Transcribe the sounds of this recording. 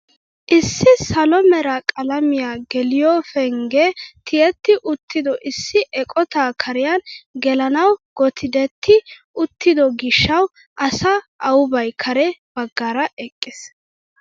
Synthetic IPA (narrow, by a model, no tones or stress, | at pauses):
ʔɪsːɪsɐlɔmɛɾɐkʼɐlɐmɪjaːɡɛlɪjɔːfɛŋɡɛt̪ʰɪjɛt̪ːɪʔʊt̪ːɪd̪ɔʔɪsːɪʔɛkʼɔt̪aːkʰɐɾɪjanɡɛlɐnɐwɡ̥ɔt̪ʰɪd̪ɛt̪ʰːɪʔʊt̪ːɪd̪ɔɡɪʃːɐw | ʔɐsɐʔɐwʊbɐjkʰɐɾɛb̥ɐɡːaːɾɐʔɛkʼːɪs